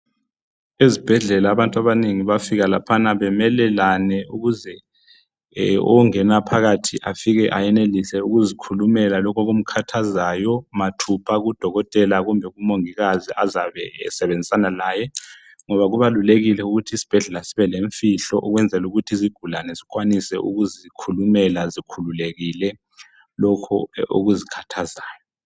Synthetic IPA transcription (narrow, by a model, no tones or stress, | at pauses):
izib̥ʱɛɮɛlaːβantʼaβaneŋiβafiɣala̰pʰanaβɛmɛlɛlanɛuɣuzɛ | ɔ̰ŋɛnapʰaɣatʰiʔafiɣɛʔajɛnelisɛuɣuzikʰulumɛlalɔkʰɔɣum̩kʰatʰazajɔmatʰupʰaɣud̥ʱɔɣɔtʼɛlaɣumbʱɛɣumoŋiɣaziʔazaβɛsɛβend͡zʱisanalaːjɛ | ŋɔβaɣuβaluleɣilɛuɣutʰiːsi̥b̥ʱɛɮɛlasiβɛleɱfiɬɔʔɔɣwɛnd͡zʱɛluɣutʰiziɡ̥ʱulanɛzikwanisɛ̰ʔuɣuzikʰulumɛlazikʰululeɣilɛ | lɔkʰɔo̰ɣuzikʰḁtʰazaːjɔ